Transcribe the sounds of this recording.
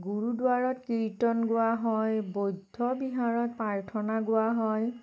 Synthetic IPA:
ɡuɹudʊaɹɔtkitɔnɡʊaɦɔjbojdʱːɔbiɦaɹɔt̚paɹtʰɔnaɡʊaɦɔj

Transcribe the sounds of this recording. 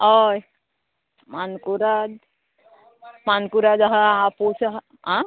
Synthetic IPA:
ɔj | mankuɾad͡ʒ | mankuɾad͡ʒaɦapusaɦ | ã

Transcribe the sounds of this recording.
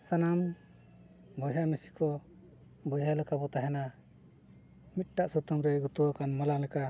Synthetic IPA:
sanam | bɔjɦamisi̥kʰɔ | bɔjɦalakʰabɔt̪aɦɛna | mit̪̚ʈaʔsɔt̪ɔŋɾɛɡut̪uwakʰanmalaŋlɛkʰa

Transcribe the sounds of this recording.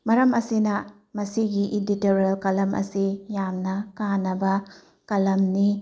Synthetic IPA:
mɐɾɐmɐsinɐ | mɐsiɡiʔiditeɾelkɐlɐmʔɐ̰sijamnɐkanɐbɐ | kɐlɐmni

